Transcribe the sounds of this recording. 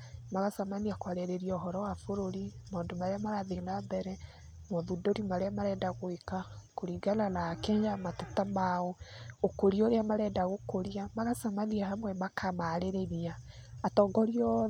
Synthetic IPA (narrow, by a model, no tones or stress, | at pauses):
maɣasamaniakwaɾɛɾeɾiɔːɦɔɾɔwafoɾoɾimaɔndomaɾeamaɾaðelambɛɾɛ | mɔðudoɾimaɾeamaɾɛːdaɣoekakoɾiɡalanakɛɲd͡ʒamatetamaɔokoɾioɾeamaɾɛːdaɣokoɾiamaɣasamaniahamwɛmakʰamaɾeɾeɾiaː | tɔːɡɔɾiɔ